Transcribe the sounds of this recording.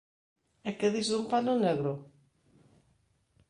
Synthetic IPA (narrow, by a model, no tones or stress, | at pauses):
ɛkeðizðumpanʊneɣɾʊ